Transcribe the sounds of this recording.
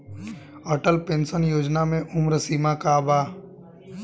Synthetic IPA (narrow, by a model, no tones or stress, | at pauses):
əʈəlpẽnsənjoːd͡ʒnamẽʔʊmɾəsiːmakaːbaː